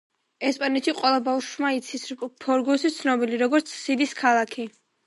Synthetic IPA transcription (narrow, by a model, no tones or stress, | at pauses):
ɛspʼanɛt̪ʃiqʼwɛlˠabafʃmait̪sʰispʰɔɾɡɔsit̪sʰnɔbiliɾɔɡɔɾt̪sʰsid̪iskʰalˠakʰi